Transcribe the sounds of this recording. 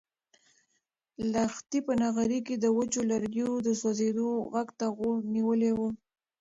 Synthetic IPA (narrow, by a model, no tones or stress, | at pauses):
laxt̪ipənaɣaɾiked̪əwət͡ʃolaɾɡjod̪əswazed̪oɣaɡt̪aɣoniwəlewu